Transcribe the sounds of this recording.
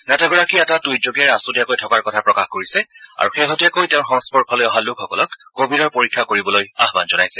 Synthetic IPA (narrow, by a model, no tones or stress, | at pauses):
nataɡɔɹakiɛtatujd͡ʒoɡɛɹasudijakojtʰɔkaɹkɔtʰapɹɔkaxkoɹisɛa̰ɹuxeɦɔtujakojtɛʊnxɔŋspɔɹkʰɔlojɔɦalʊkʰːɔkɔlɔkɡobʱidɔɹpoɹikʰːakoɹibɔloja̰ɦbanzɔnajsɛ